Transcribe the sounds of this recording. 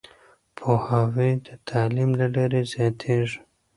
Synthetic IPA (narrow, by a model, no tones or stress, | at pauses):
pʰohawid̪ət̪ʰɑlimlalaɾizjɑt̪ʰeʐi̥